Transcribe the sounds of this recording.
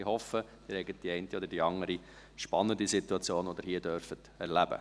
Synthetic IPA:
ɪhɔfəd̥ɪːɾhɛɪɡət̚d̥iɛɪntiɔdəɾdiɑŋəɾi | ʃpɑnːəndisituɑt͡sjoːnɔd̪əɾɦiːədœɾfət | ɛɾlæb̥ə̰

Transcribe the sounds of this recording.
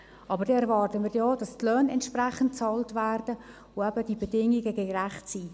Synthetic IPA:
ʔɑbəɾdɛɛɾvɑːrtəmɪːrjɔːd̥ɑstlœːnɛntʃprɛχənt̚t͡sɑːltvæːrdə | ʊɛbəd̥ibedɪŋiɡəɡəɡræχtsiː

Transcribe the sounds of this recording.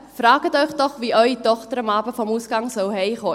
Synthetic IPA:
frɑːɡətœʏχd̥ɔχviʔœʏitɔχtəɾəmɑːbəfɔmuːsɡ̥ɑŋsɔwɦɛɪχoː

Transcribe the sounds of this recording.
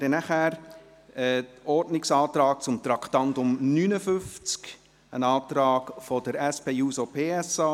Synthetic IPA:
dənæχæːɾ | ɛɔrdnɪksɑːt̪ɾɑːk̚t͡sʊmt̪ɾɑkʰt̪ɑntʊmnyːnəfʏft͡sk | ənɑːt̪ɾɑːɡfɔd̥əɾɛspeːjuːsopʰeːɛsɑ

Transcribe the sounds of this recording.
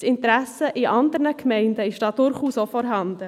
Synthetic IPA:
sɪntɾæsəʔiʔɑnd̪əɾnəkʰmɛɪndəɪʃd̥ɑːd̥ʊɾχuːsofɔɾɦɑnd̥̪ə

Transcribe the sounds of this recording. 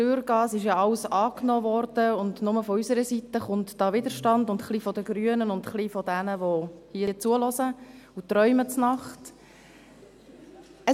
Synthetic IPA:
tøːɾɡ̥ɑːsɪʃjɑɑwsɑːknɔːʋɔɾd̥əʊndnʊməfɔysəɾəsit̪əχʊntd̥ɑːʋɪd̪əɾʃtɑndʊntχlifɔdəɡɾyːənənʊndχlifɔdænəʋohiəət͡suəlɔsə | utɾœʏmət͡snɑχt | ə

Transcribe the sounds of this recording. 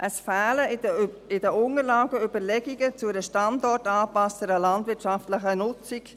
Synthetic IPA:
ʔəsfæːlə | ɪdəʊŋəɾlaːɡəybəɾlɛɡiɡət͡sʊɾəʃtɑndɔrtɑːpɑstəɾəlɑndvɪɾtʃɑftləχənʊt͡sɪk

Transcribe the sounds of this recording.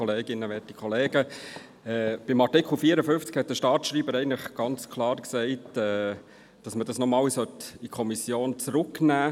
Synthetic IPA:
ɔleːɡɪnːəʋɛtikʰɔleːɡə | ɛb̥ɪmɑɾtɪkχl̩fiəɾəfʏnft͡skhɛt̚dəʃtɑːtʃɾiːbəɾɛɪən̩ləχɡ̥ɑnt͡skʰlɑːɾksɛɪtɛː | d̥ɑsmədɑsnɔmɑːlsœtikʰɔmisjoːnt͡sɾʊknæː

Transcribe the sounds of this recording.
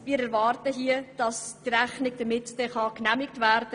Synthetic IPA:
miːɾɛɾvɑːrtəɦiəd̥ɑsd̥iɾæχnɪɡ̚d̥əmɪtd̥ɛχɑknæmɪk̚tvæɾd̥ə

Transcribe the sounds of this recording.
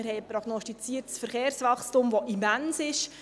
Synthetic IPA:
ɪɾhɛɪəpɾoɡ̥nɔstit͡siːərtsfəɾχeːɾsʋɑχstʊmʋoʔimænsɪʃ

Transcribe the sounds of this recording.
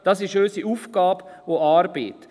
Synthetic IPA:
d̥ɑsɪʃøːsiuːfɡ̥ɑːboɑːɾbḛːt

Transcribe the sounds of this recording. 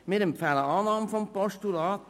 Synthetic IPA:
mɪɾəmpfæləɑːnɑːmfɔmpɔʃtulɑːt̪

